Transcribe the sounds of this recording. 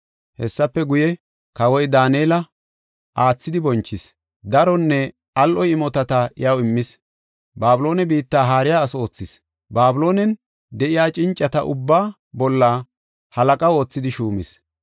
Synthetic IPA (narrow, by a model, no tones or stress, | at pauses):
hɛ̰sːɐpːɛɡʊjɛ | kɐwɔjd̪aːneːlɐ | ʔaːt͡sːɪd̪ɪbɔnt͡ʃːɪs | d̪ɐɾɔnːɛ | ɐlʔɔjɪmɔt̪ɐt̪ɐʔɪjɐwɪmːɪs | baːbʊlo̞ːnɛbiːt̪ːaːɦaːɾɪjaːso̞ːt͡sːɪs | baːbʊlo̞ːnɛn | d̪ɛʔɪjaːt͡ʃʼɪnt͡ʃʼːɐt̪ɐʔʊbːaː | bɔlːaː | hɐlɐkʼɐo̞ːt͡sːɪd̪ɪʃuːmɪs